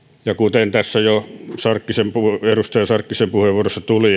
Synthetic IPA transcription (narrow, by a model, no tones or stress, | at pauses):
jɑkut̪ent̪æsːæjosɑrkːisempuerust̪ɑjɑsɑrkːisempuheʋʋuorosːɑt̪uli